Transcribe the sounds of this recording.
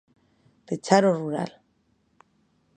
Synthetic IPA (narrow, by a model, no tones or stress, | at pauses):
pet͡saɾoruɾa̰l